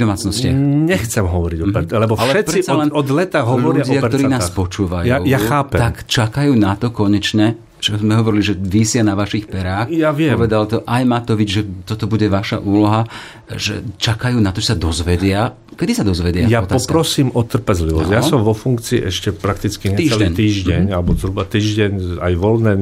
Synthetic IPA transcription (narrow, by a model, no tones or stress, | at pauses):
d̪ɔmaːt͡snɔscɪaxɲɛxt͡sɛmɦɔʋɔɾiɟɔpɛt̪lɛbɔaʃlɛɛpɾɛit͡salɛnɔd̪lɛt̪aɦɔʎɔɾuɪaɟɪɪakɾtɔɾiːnaːsppɔt͡ʃuːʋajauːjaxaːpɛt̪akt͡ʃakajuːnat̪ɔkɔɲɛt͡ʃɲɛ | ʃakzmɛɦɔʋɔɾiliʒɛʋisɪanaʋaʃixpɛɾaːxjaʋjɛpɔʋɛd̪alt̪ɔʔajmat̪ɔʋid͡ʒʒɛt̪ɔt̪ɔbuɟɛʋaʃa̰ʔuːlɔɦa | ʒɛ̰t͡ʃakajuːnat̪ɔʒɛsad̪ɔzʋɛɟɪa | kɛd̪isad̪ɔzʋɛɟɪajaɔt̪apɔpɾɔsiːmʔɔt̪r̩pɛzliʋɔ̰ɟjasɔmʋɔfuŋkt͡siḭʔɛʃcɛpɾakt̪it͡skiɲɛiːʒlɛɲt̪iːʒɟɛɲalɛbɔzɾubat̪iːʒɟɛɲa̰jʋɔlnɛ